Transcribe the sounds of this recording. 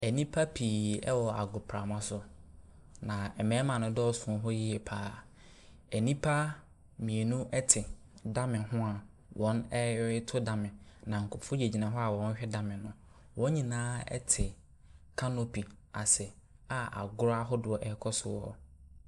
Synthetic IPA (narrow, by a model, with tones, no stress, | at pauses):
ɛ˨nĩ˦pʰa˦pʰiː˨ɛ̰˦wɔ˨a˨ɡʊ˨pʰɾa˨mã˦sʊ˦ | nã˨ɛ˨mɛ̃ː˨˦mã˨nʊ̃˦dɔ˦sʊ̃˨˦ɦɔ˦ji˦ɛ˨pʰaː˦ | ɛ˨nĩ˦pʰa˦ | mĩ˨e˨nũ˦ʔɛ˦tʰɪ˨ | da˦mɪ̃˨nɦʊ̃˦a˨ | wʔɔ̃˦nɛ˦ɪ˦tʰʊ˦da˦mɪ̃˨nã˨ŋ̩˨kʰʊ˨fʊ˦d͡ʑe˨d͡ʑi˨nã˨ɦɔ˦a˨wɔ̃˨˦n˦ɕᶣɛ˦da˦mɪ̃˨nːʊ̃˦ | wɔ̃˦ɲĩ˨nãː˦ɛ̰˦tʰɪ˨ | kʰa˦no˦pi˨ | a˨sɛ˨ | a˨a̰˨ɡʊ˦ɾa˦ɦɔ˦dʊ˨ɔ˨ʔɛ˦kʰɔ˦sʊ˦wɔ˦